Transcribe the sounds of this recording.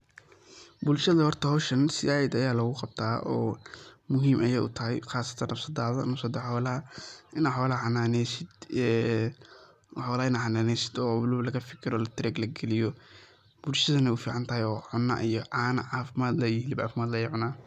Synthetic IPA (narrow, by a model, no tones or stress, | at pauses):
bʊlʃɐðɐhɔrt̪ʰɐhɔʃɐnsɪaːjɪd̪ɐjaːlɐɣʊqɑb̥̚t̪ʰaːʔɔːmʊɦiːmʔɐjɛːʔʊ̰t̪ʰɐɦɛjxaːsɐ̥t̪ʰɐnɐfsɐd̪aːðɐnɐfsɐd̪ɐħɔːlɐɦɐɪnaħɔːlɐhħɑnaːnɛsɪd̪ɛː | ħɔːlɐɪnaħɑnaːnɛsɪ̥d̪ɔːwʊlʊβlɐɣɐfɪkʰɪɾɔːlɐt̪ʰɾɛːɡlɐɡɛlɪjɔ | b̥ʊlʃɐðɐnɛʊfiːʕɑnt̪ʰɐɦɛjɔːʕʊnːa̰ʔijɔʔaːnɐʕaːfɪmaːd̪lɐjɪɦlɪbʕa̰ːfɪmaːd̪lɐjɛʕʊnaː